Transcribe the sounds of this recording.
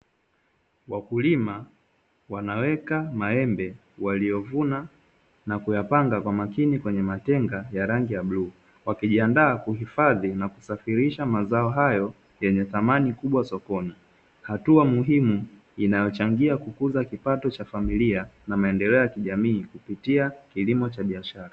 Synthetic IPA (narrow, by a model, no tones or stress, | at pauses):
wakulima | wanawɛkamaɛmbɛ | walijɔvuna | nakujapaŋɡakwamakinikwɛɲɛmatɛŋɡajaɾaŋɡijaɓluː | wakiʄiandaːkuɦifaðinakusafiɾiʃamazaɔɦajɔ | jɛɲɛθamanikuɓwasɔkɔni | hatuamuɦimu | inajɔt͡ʃaŋɡiakukuzakipatɔt͡ʃafamilianamaɛndɛlɛɔjakiʄamiːkupitiakilimɔt͡ʃaɓiaʃaɾa